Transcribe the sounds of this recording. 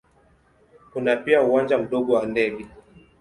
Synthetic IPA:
kunapiauwand͡ʒam̩ɗɔɡɔwandɛɡi

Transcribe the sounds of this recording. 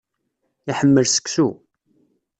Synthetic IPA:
iħəmːəlsə̥ksu

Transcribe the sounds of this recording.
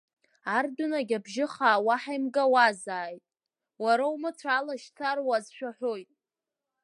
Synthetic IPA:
ardunaɡʲabʒɪχaːwaħajmɡawazaːjtʼ | waɾaumɨt͡sʷʰalaʃt͡sʰarwazʃᶣaħʷᶣojtʼ

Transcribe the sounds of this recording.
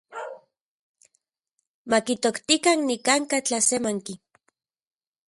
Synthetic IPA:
makit̪okt̪ikannikaŋkat͡ɬasemaŋki

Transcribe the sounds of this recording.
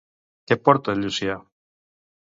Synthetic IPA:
kepoɾt̪oelusia

